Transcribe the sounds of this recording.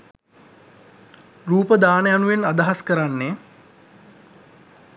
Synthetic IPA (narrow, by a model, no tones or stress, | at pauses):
ruːpəd̪aːnəjanuʋenad̪aɦaskəɾanːe